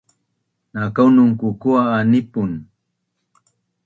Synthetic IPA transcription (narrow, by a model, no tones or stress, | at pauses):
nakawnʊŋkukuaːnɪpʊn